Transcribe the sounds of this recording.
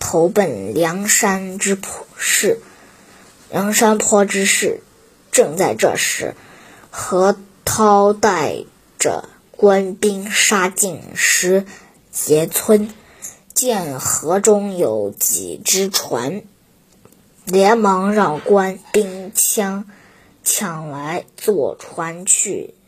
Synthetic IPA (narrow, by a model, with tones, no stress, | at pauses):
t̪ʰo˧˥ʊpə˨˩nljɑ˧˥ŋʂa˥nʈ͡ʂɻ̩˥pʰʂɻ̩˥˩ | ljʔɑ˧˥ŋʂa˥npʰwɔ˥ʈ͡ʂɻ̩˥ʂɻ̩˥˩ | ʈ͡ʂɤ˥˧ŋt͡sa˥˧ɪʈ͡ʂɤ̰˥˩ʂɻ̩̰˧˥ | xɤ˧˥t̪ʰɑ˥ʊt̪a˥˩ɪ | ʈ͡ʂə̰˩ | kwa˥npi˥ŋʂa˥t͡ɕi˥˩ŋʂɻ̩˧˥ | t͡ɕjɛ˧˥t͡sʰwə˥n | t͡ɕjɛ˥˩nxɤ˧˥ʈ͡ʂʊ˥ŋjo˧˥ʊt͡ɕḭ˨˩ʈ͡ʂɻ̩˥ʈ͡ʂʰwa̰˧˥n | ljɛ˧˥nmɑ˧˥ŋɻɑ˥˩ŋkwa˥npi˥ŋt͡ɕʰjɑ˥ŋ | t͡ɕʰjɑ˨˩ŋla˧˥ɪt͡swɔ˥˩ʈ͡ʂʰwa˧˥nt͡ɕʰy̰˥˩